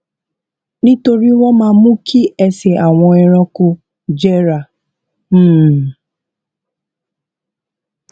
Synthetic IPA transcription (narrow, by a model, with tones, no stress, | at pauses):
nĩ˦to˧ɾi˦w̃ɔ̃˦mãː˦mũ˦kʰi˦ɛ˧sɛ˨a˨w̃ɔ̃˧ɛ˧ɾ̃ɔ̃˧ko˧ | d͡ʒɛ˦ɾa˨ | m̩˦˨